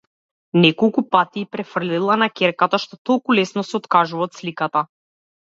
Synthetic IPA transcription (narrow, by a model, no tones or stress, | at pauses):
nɛkɔlˠkupat̪iːpɾɛfr̩lilˠanakʲɛɾkat̪aʃt̪ɔt̪ɔlˠkulɛsnɔsɛɔt̪kaʒuvaɔt̪slikat̪a